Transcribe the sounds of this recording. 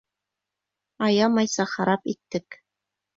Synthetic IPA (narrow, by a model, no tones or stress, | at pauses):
ɑjɑmɑjsɑχɑɾɑpit̪ːɘk